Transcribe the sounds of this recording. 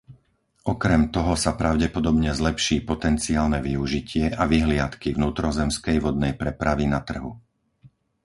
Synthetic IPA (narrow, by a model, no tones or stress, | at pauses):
ʔɔkɾɛmt̪ɔɦɔsapɾaʊɟɛpɔd̪ɔbɲɛzlɛpʃiːpɔt̪ɛnt͡siaːlnɛʋiuʒicɪɛʔaʋiɦlɪat̪kivnuːt̪ɾɔzɛmskɛjʋɔd̪̚nɛjpɾɛpɾaʋinat̪r̩ɦu